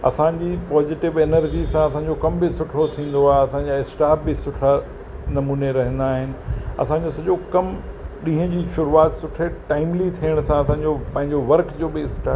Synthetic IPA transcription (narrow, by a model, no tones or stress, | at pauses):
ɐ̰sãd͡ʑiːpɔːzɪʈɪʋenəɾd͡ʑisãɐsãɲd͡ʑokɐmbɪsʊʈʰot̪ʰĩːn̆d̪oaːɦeɐsãɲd͡ʑaɪsʈaːp̚bɪsʊʈʰa | nɐmuːneɾɐɦə̃n̆d̪aːɦɪnɪ̆ɐ̰sãɲd͡ʑoːsɐʄokɐmɗĩːɦə̃d͡ʑiːʃʊɾuaːt̪sʊʈʰeʈaːɪmlit̪ʰiəɽ̃sãɐsãːɲ̆d͡ʑopɐ̃ɦɪ̃ɲd͡ʑoʋɐɾkd͡ʑoːbɪɪsʈʰaː